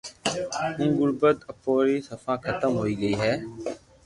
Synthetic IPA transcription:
ʊ̃ːɡʊɾbət̪əpːoːɾiːsəfãːkʰət̪əmɦoːiːɡəiːɦɛː

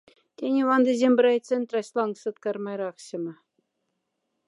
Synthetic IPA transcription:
t̪ʲenʲeʋɑnd̪ĕzʲemʲbɾʲɑjt̪t͡sĕnt̪rɑɕlˠɑŋksɤ̆t̪kɑrmɑjɾɑχɕɤ̆mɤ̆

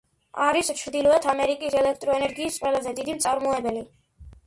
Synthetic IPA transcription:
aɾist͡ʃʰɾd̪ilˠɔɛt̪ʰamɛɾikʼisɛlɛkʰt̪ʼɾɔɛnɛɾɡiːsqʼwɛlazɛd̪id̪imt̪sʼaɾmɔɛbɛli

